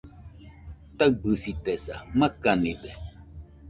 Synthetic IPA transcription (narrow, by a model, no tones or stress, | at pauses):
t̪abɨsit̪esa̰makanide